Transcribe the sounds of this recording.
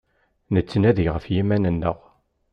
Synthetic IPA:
nət͡sːənæðiʁəfjimænənːəʁ

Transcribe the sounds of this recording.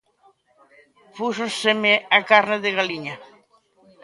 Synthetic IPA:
fusosemeakaɾneðeɣaliɲa

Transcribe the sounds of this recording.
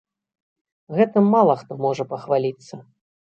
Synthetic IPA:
ɣɛt̪ɨmːalˠɐxt̪ɔmɔʐɐpɐxvalʲit̪sːɐ

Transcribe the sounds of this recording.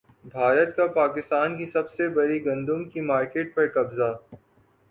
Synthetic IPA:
bʱaːɾət̪kapaːkɪst̪aːnkisɐbsebɐɾiɡɐ̃nd̪ũmkimaːɾkeːʈ̚pɐɾkɐbza

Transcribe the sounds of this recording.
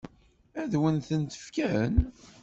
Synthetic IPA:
æðwənθənt̪ə̥fkæn

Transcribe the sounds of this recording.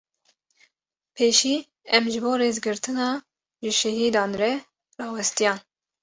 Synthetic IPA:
pʰeːʃiː | ɛmʒɨboːɾeːzɡɨɾt̪ʰɨnɑː | ʒɨʃɛɦiːd̪ɑːnrɛ | rɑːwɛst̪ijɑːn

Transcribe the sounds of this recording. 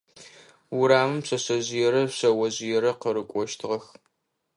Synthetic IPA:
wʊɾaːmɨmpɕɐɕɐʑɪjɛɾɐɕɐwɐʑɪjɛɾɐqəɾɨkʷʼɔʃtʰɨʁɐx

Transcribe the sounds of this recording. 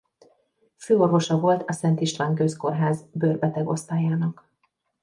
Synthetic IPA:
føːo̞rvo̞ʃɒvo̞lt̪ɒsɛnt̪iʃlaːŋkøsko̞rɦaːzbørbɛt̪ɛɡo̞st̪aːjaːnɒk

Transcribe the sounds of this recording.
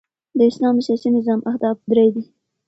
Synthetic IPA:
d̪əɪslɑməʃasinɪzɑmʔahd̪ɑb̚d̪ɾajd̪i

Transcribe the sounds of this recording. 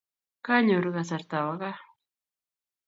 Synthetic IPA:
kaɲoɾɣasaɾt̪awaɣa

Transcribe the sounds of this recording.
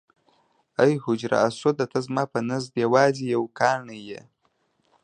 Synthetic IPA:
ajhʊd͡ʒɾa̰ːsod̪at̪azmɑːpənazd̪jawɑːzijawkɑːɳəjḛ

